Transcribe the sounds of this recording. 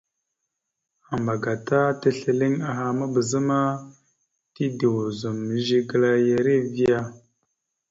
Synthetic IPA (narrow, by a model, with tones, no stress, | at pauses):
a˨mba˨ɡa˨ta˦te˦ɬə˨li˦ŋa˨ɦa˨ma˦bə˨zə˦ma˦ | ti˦di˨wu˨zu˨mːə˨ʒi˦ɡə˦la˦je˨ɾe˦vi˦ja˦